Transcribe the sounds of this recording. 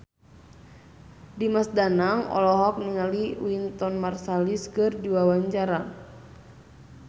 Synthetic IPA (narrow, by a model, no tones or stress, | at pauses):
dimasdanaŋɔ̰lɔɦɔk̚niŋaliwint̪ɔnmarsaliskɨrdiwawaɲt͡ʃaɾa